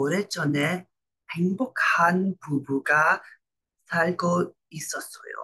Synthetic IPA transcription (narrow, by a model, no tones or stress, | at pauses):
oɾet͡ɕʌne | heŋbok̚anpubuɡa | sʰaɭɡo | is͈ʌs͈ʌjo̰